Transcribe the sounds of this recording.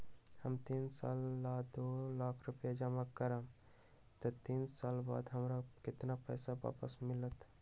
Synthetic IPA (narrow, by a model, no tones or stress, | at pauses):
həmt̪iːnsa̰lːad̪olakʰɾupjad͡ʒaməkkːəɾam | t̪ət̪insaːlba̰ːd̪ɦəmɾakɪt̪napɛ̰ːsaba̰pəsmɪlət̪